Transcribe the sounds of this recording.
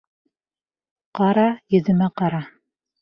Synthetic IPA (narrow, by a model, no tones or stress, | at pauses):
qɑɾɑjɵ̆ðɘ̆mæqɑɾɑ